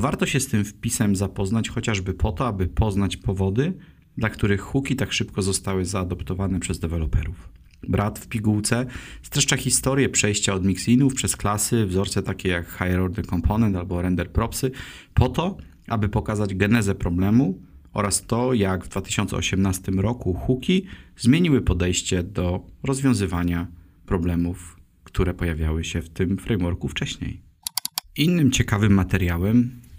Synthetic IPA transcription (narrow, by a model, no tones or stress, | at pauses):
vaɾt̪ɔɕɛst̪ɘmfpʲisɛmzapɔznat͡ɕxɔt͡ɕaʐbɘpʰɔt̪ɔabɘpʰɔznat͡ɕpɔvɔd̪ɘ | d̪lakt̪uɾɘxːukʲit̪akʂɘpkɔzɔst̪awɘzaːd̪ɔpt̪ɔvanɛpʂɛzd̪ɛvɛlɔpɛ̰ɾuf | bɾʔat̪fpʲiɡuwt̪sɛst̪ɾɛʂt͡ʂaxʲist̪ɔɾʲjɛpʂɛjɕt͡ɕaɔd̪mʲiksʲinufpʂɛsklasɘvzɔɾt̪sɛt̪akʲɛjakxajɛɾɔɾd̪ɨkɔmpʰɔnɛnt̪albɔɾɛnd̪ɛɾpɾɔpsɘpʰɔt̪ɔ | ʔabɘpɔkazad͡ʑɡɛnɛzɛpɾɔblɛmuʔɔ̰ɾast̪ɔjaɡvd̪vat̪ɘ̥ɕɔnt̪sɛ̰ɔ̰ɕɛmnast̪ɘmɾɔkuxukʲizmʲjeɲiwɘpɔd̪ɛjɕt͡ɕɛd̪ɔɾɔzvʲjɔ̃zɘvaɲa | pɾɔblɛmuf | kt̪uɾɛpɔjavʲjawɘɕɛft̪ɘmfɾɛjmwɔɾkuft͡ʂɛɕɲḛj | ʔinːɘmt͡ɕɛkavɘmːat̪ɛɾjawɛm